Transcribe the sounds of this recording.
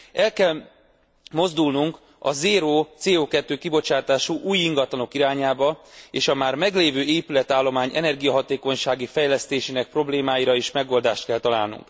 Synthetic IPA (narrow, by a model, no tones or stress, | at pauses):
ɛlkɛl | mo̞zd̪ulnuŋk | ɒ̰zeːɾoːt̪seːoːkɛt̪ːøːkibo̞t͡ʃaːt̪aːʃuʔuːjiŋɡɒt̪lɒno̞kiɾaːɲaːbɒeːʃɒmaːrmɛɡleːvøːʔeːpylɛt̪aːlːo̞maːɲɛ̰nɛrɡijɒɦɒt̪eːkoɲʃaːɡifɛjlɛst̪eːʃeːnɛk̚pro̞bleːmaːjiɾɒeːʃmɛɡo̞ld̪aːʃt̪kɛlt̪ɒla̰ːlnṵŋk